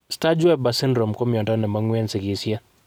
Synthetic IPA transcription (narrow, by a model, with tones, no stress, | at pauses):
sta˦d͡ʒwɛ˦b̚ba˨sɪ˦ndɾo˨mko˦mjɔ˨ntɔ˦nɛ˨ma˦ŋwe˦nsɪ˨kɪ˨sja˦